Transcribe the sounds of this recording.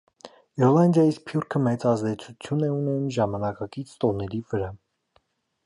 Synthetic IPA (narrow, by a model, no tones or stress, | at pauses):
ɛɾlɑnd̪jɑjispʰjuɾkʰəmɛt͡sɑzd̪ɛt͡sʰut͡sʰjunɛunɛnumʒɑmɑnɑkɑkit͡sʰt̪ɔnɛɾivəɾɑ